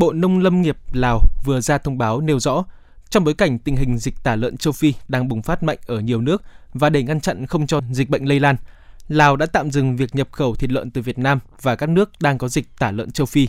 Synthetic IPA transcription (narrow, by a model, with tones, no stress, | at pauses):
ɓo̰˧˨nə˧wŋ͡mlə˧mŋi˨˩əp̚laː˨˩wvɨ˨˩əzaː˧t̪ʰə˧wŋ͡mɓaː˨˦wne˧wzɔ̰˧˥ | t͡ɕɔ˧wŋ͡mɓo˨˦jka˧˩jŋ̟t̪ï˨˩ŋ̟hï˨˩ŋ̟zi˨˩k̟̚t̪aː˧˩lə̰ː˧˨nt͡ɕə˧wfi˧ɗaː˧ŋɓʊ˨˩ŋ͡mfaː˦˥t̚ma̰˧˨jŋ̟ʔəː˧˩ɲi˨˩əwnɨ˦˥ək̚vaː˨˩ɗe˧˩ŋa˧nt͡ɕa̰˧˨nxə˧wŋ͡mt͡ɕɔ˧zi˨˩ɓə̰˧˨ŋ̟lə˧jlaː˧nlaː˨˩wɗa̰ː˧˥t̪a̰ː˧˨mzɨ˨˩ŋvi˨˩ək̚ɲə˨˩p̚xə˧˩wt̪ʰi˨˩t̬̚lwə̰˧˨nt̪ɨ˨˩vi˨˩ət̚naː˧m | vaː˨˩kaː˦˥k̚nɨ˦˥ək̚ɗaː˧ŋkɔ˨˦zï˨˩k̚t̪aː˧˩lə̰˧˨nt͡ɕə˧wfi˧